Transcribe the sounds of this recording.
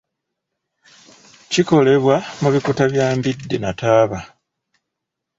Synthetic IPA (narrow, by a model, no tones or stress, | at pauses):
ciko̞le̞βwamuβikutaβjaːmbidːenataːβa